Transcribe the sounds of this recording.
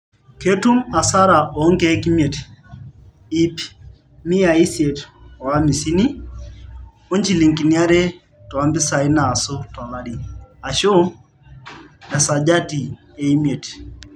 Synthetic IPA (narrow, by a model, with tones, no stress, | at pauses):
ke˦tu˦ma˨sa˦ɾa˨ʔɔ˨˦ŋɡe˦ki˦mje˨t | i˦p | mi˦a˨i˦sje˨tɔ˨a˦mi˨si˦ni˦ | o˦ɲd͡ʒi˦˨li˨ŋki˨ni˦a˦ɾe˦ | tɔ˨a˦mbɪ˦sa˨i˦naː˨so˦tɔ˨ŋa˨ɾi˦a˨ʃo˦ | a˨sa˨d͡ʒa˦ti˨ | e˨i˦mje˨t